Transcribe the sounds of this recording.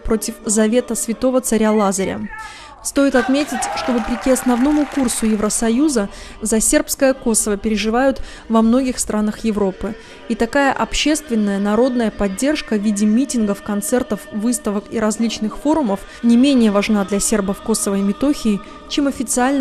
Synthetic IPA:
pɾo̞tʲɪfzɐvʲe̞t̪əsvʲɪt̪o̞vət̪sɐɾʲalˠazəɾʲə̰ | st̪o̞jɪt̪ɐt̪mʲetʲɪtʲʂt̪o̞vəpɾʲɪkʲiɐsnɐvno̞mʊkursʊjɪvɾəsɐjuzəzɐsʲe̞rpskəjəko̞səvəpʲɪɾʲɪʐɨvajʊt̪ | vɐmno̞ɡʲɪxst̪ɾʔanəxjɪvɾo̞pɨ | it̪ɐkajəʔɐpɕːe̞st̪vʲɪnːəjənɐɾo̞d̪nəjəpɐdʲːe̞rʂkəvʲidʲɪmʲitʲɪnɡəfkɐnt̪sɛrt̪əfvɨst̪əvəkiɾɐzʲlʲit͡ɕnɨxfo̞ɾʊməf | nʲɪmʲenʲɪjəvɐʐnad̪lʲɐsʲe̞rbəfko̞səvəɪmʲɪt̪o̞xʲɪː | t͡ɕe̞mɐfʲɪt̪sɨalʲn

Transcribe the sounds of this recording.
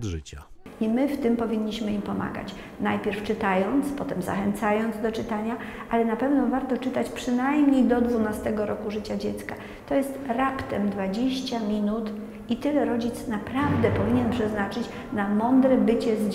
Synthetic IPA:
ʐɘt͡ɕa | imɘft̪ɘmpɔvʲiɲːiɕmɘimpɔma̰ɡa̰t͡ɕ | najpʲjɛɾft͡ʂɘt̪ajɔnt̪spɔt̪ɛmza̰xɛnt̪sajɔnd̪zd̪ɔt͡ʂɘt̪aɲa | alɛnapɛvnɔvaɾt̪ɔt͡ʂɘt̪at͡ɕpʂɘnajmɲejd̪ɔd̪vunast̪ɛɡɔɾɔkuʐɘt͡ɕad͡ʑɛt̪ska | t̪ɔjɛst̪ɾapt̪ɛmd̪vad͡ʑeɕt͡ɕamʲinut̪ | it̪ɘlɛɾɔd͡ʑit̪snapɾavd̪ɛpɔvʲiɲɛnpʂɛznat͡ʂɘt͡ɕ | namɔnd̪ɾɛbɘt͡ɕɛzd͡ʑ

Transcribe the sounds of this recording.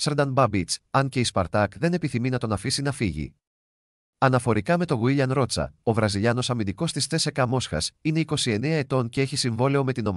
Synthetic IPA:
seɾd̪ɐnbɐbit͡sɐnce̞ispɐɾt̪ɐkðe̞ne̞piθiminɐt̪o̞nɐfisinɐfiʝḭ | ɐnɐfo̞ɾikɐme̞t̪o̞ɣuiʎɐnɾo̞t͡sɐ̰o̞vɾɐziʎɐno̞sɐmind̪iko̞st̪ist̪e̞se̞kɐmo̞sxɐ̰sine̞iko̞sie̞neɐe̞t̪o̞nce̞eçisiɱvo̞le̞o̞me̞t̪ino̞m

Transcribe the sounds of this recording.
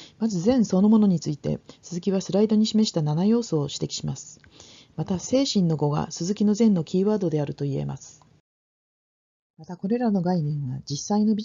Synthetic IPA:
mazɨzẽ̞ɰ̃so̞no̞mo̞no̞ɲ̟it͡sɨit̪e̞̰sɨzɨkʲiβasɨɾaid̪o̞ɲ̟iɕime̞ɕi̥t̪ananajo̞ːso̞ːɕi̥t̪e̞kʲi̥ɕimasɨ̥ | mat̪ase̞ːɕĩnːo̞ɡo̞ɡa̰sɨzɨkʲino̞zẽ̞nːo̞kʲiːβaːd̪o̞d̪e̞aɾɯ̟t̪o̞ie̞̰ma̰sɨ̥ | mat̪ako̞ɾe̞ɾano̞ɡainẽ̞ɰ̃βad͡ʑisːaino̞bʲi

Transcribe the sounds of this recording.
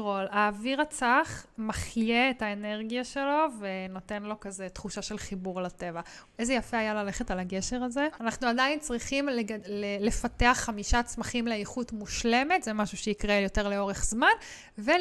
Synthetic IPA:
ʁolaːviʁat͡saχmaχjeːtaeneʁɡijaʃe̞lo̞veno̞te̞nlo̞kazet̪χuʃaʃe̞lχibuʁlate̞va | ezejafeajalaleχetalaɡeʃeʁazeanaχnuadaint͡sʁiχimleɡlele̞fateaχːamiʃat͡smaχimleeχutmuʃle̞me̞tzemaʃuʃeikʁejo̞te̞ʁleo̞ʁeχz̥man | ve

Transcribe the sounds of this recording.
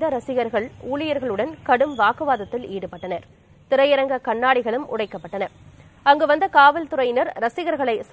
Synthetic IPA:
d̪ɐɾɐsɪɣɐɾɣɐɭuːlɪjɐɾɣɐɭɯɽɐnkɐɽɯmʋaːkɯʋaːðɐt̪ːɪliːɽɯpːɐʈːɐnɐɾ | t̪ɪɾɐjɪɾɐŋɡɐkɐɳːaːɽɪɣɐɭɯmʊ̰ɽɐɪkːɐpːɐʈːɐnɐ | ɐŋɡɯʋɐnd̪ɐkaːʋɐlt̪ɯɾɐjɪnɐɾɾɐsɪɣɐɾɣɐɭɐɪs

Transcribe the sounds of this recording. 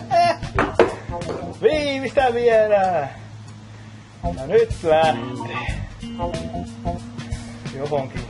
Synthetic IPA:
ʋiːmist̪æʋiælæː | jɑnyt̪læht̪e̥ː | johoŋki

